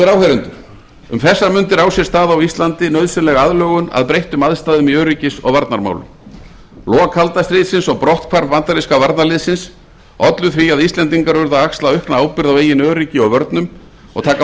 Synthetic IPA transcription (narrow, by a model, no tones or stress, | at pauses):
ɪɾawhɛɾʏnt̪ʏɾ̥ | ʏ̰mθɛsːaɾmʏnt̪ɪɾaːwsjɛst̪aːðawist̪lant̪ɪnœɥðsɛnlɛɣaaðlœːɣʏna̰ðpɾejht̪ʏmaðst̪aːðʏmiœːɾicɪsɔ̰ɣvaɾt̪naɾma̰wlʏ̰m | lɔːɣakʰalt̪ast̪ɾɪːt̪sɪnsɔɣpɾɔht̪kʰvaɾvvant̪aɾiskavaɾt̪nalɪðsɪns | ɔt̪lʏθviaðist̪lɛnt̪̬iŋkaɾvʏɾðaakslaʏhpnaaːwpɪɾðaweːjɪnœːɾiːcɪɔɣvœɾt̪nʏm | ɔ̰ɣt̪ʰaːka